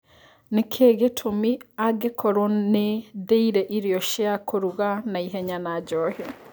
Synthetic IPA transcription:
nekʰeɣetʰomiaɡekʰɔɾonedeiɾɛʔiɾiɔʃeakʰoɾuɣanaiɦɛɲanaɟɔhɛ

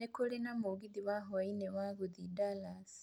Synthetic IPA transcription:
ekolenamuɡiðiwaɦowainewaɣuðidalas

